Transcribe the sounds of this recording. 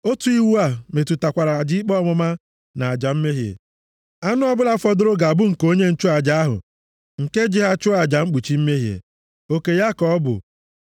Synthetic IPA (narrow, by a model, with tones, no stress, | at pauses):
o˦tu˨˦i˦wu˦a˨me˨tu˨ta˨kʷa˨ɾa˨a˨d͡ʒi˦i˦k͡pɔ˦mʊ˦ma˦ | na˨a˨d͡ʒa˨m̩˦me˦ɦjḛ˨ | a˦nʊ˦ɔ˦bʊ˦la˦fɔ˦dʊ˦ɾʊ˦ɡa˨a˨bʊ˦ŋ̩˨ko˦ɲe˦n̩˦t͡ʃʊ˦a˨d͡ʒa˨a˦ɦʊ̰˨ | ŋ̩˨ke˦d͡ʒɪ˦ɦa˦t͡ʃʊ˦a˨d͡ʒa˨ŋ͡m̩˦k͡pu˨t͡ʃi˦m̩˦me˦ɦjḛ˨ | o˦ke˨ja˦kɔ˦bʊ̰˨